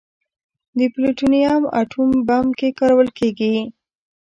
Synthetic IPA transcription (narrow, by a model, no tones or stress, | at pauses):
d̪əpliʈunijama̰ʈʰumbamkekɑɾawəlkeɡi